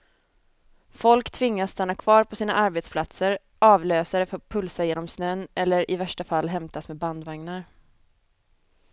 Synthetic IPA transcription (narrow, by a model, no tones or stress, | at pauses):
fɔlkt̪ʰvɪŋːasːt̪anːakʰvɑːɾpʰɔsiːna̰ʔaɾbeːt̪spʰlat̪səɾ | ʔɑːvløːsaɾɛfœpʰɵlsajeːnɔmsnøːnʔɛlːəɾʔɪvæʂʈafalːɦɛmt̪asmɛːband̪vaŋnaɾ